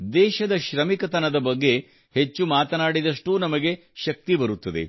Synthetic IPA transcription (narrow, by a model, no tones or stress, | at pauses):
d̪ɛːʃɐd̪ɐʃɾɐmikɐt̪ɐnɐd̪ɐbɐɡːe̞ | het͡ʃːumaːt̪ɐnaːɽid̪ɐʂʈuːnɐmɐɡe̞ | ʃɐk̚t̪ibɐɾut̪ːɐd̪e̞̰